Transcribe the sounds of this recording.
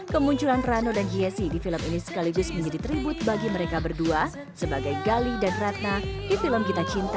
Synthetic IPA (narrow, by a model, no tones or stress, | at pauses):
kəmuɲt͡ʃulanranodanɡiɛsidifiləminisə̥kaliɡʊsməɲd͡ʒadit̪əɾibʊt̪̚baɡiməɾekabərdua | səbaɡajɡalidanrat̪̚nadifiləmkit̪at͡ʃint̪a